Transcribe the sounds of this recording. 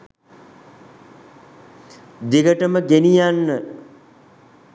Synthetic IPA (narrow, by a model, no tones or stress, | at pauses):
d̪iɡəʈəməɡenijanːə